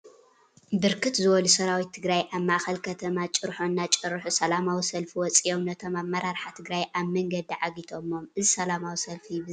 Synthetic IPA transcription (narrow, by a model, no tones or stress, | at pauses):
bɨɾkʰɨt̪zɨwɔlusɐɾawit̪ʰːɨɡɾajʔaβmaʔxɐlkʰɐt̪ʰɐmat͡ʃʼɨɾħonːat͡ʃʼɨɾħusɐlamawisɐlfiwɔt͡sʼiʔo̞mnɐt̪ʰo̞maβmːɐɾaɾħat̪ʰɨɡɾajʔaβmɐŋɡɐd̪iʕaɡit̪ʰo̞mo̞mʔɨzisɐlamawisɐlfib